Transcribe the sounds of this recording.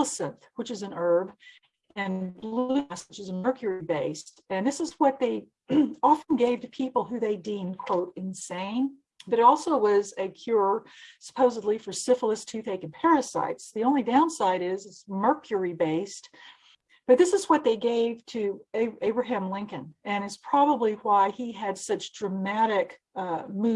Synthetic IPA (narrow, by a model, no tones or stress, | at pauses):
əsɨ̃nθwət͡ʃɨzɨ̃nɜ˞b | ɨ̃nbləswət͡ʃɨzəmɜ˞kʰjə˞ibeɪstɨ̃nðɪsəzwʌt̪̚ðeɪ | ɑfnɡeɪv̥tɨpʰipl̩ˠɦʉðeɪdĩmkʰw̥oʊɾɨ̃nsẽɪ̃n | b̥ʌɾɨɾɔlˠsoʊwʌzɨkʰj̥ʊɹəsə̥pʰoʊzədˡlifə˞sɪfl̩ˠəstʰʉθeɪkɨ̃npʰɛɹɨsa̰ɪtsðiõʊ̃nlidãʊ̃nsaɪɾɪzɨtsmɜ˞kʰjə˞ibeɪst | b̥ʌt̪̚ðɪsɨzwʌt̪̚ðeɪɡeɪv̥tʰɨeeɪbɹɨɦæ̃mlɪ̃ŋkɨ̃nɨ̃ñɨtspʰɹ̥ɑbəbliwaɪiɨd̥sʌt͡ʃd̥ɹɨmæɾɪk | mu